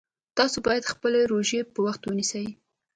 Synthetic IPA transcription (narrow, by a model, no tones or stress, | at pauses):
t̪ɑsobɑjad̪xpəleɾoʒepəwaxt̪wənisəj